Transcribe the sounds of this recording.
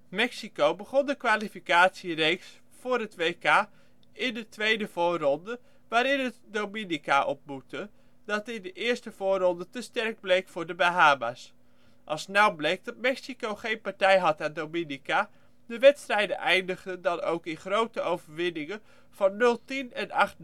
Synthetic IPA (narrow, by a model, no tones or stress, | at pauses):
mɛksikowbəχɔndəkʋaːlifikaːtsirejks | fʊːrɦətʋejkaː | ʔɪndətʋejdəv̥ʊːrɔndə | ʋaːɾɪnɦətdominikaʔɔp̚mutə | dɑtɪndəʔɪːɹstəv̥ʊːrɔndətəstɛrɡ̚blejkfʊːɹdəbəɦaːmas | ʔɑ̰lˠsnawblejk̚dɑt̚mɛksikowχejnpɑɹtɛjɦɑtaːndowminika | dəʋɛtstrɛjdə̰ʔɛjndəχdəndɑno̰wkɪnχrowtəowvəɹʋɪnɪŋə | v̥ɑnːɵlˠtinɛnɑχt